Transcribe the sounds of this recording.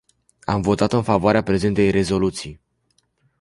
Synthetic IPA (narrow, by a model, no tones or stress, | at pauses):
amvo̞t̪at̪ɨnfavoaɾeapɾe̞ze̞nt̪e̞jre̞zo̞lut̪sij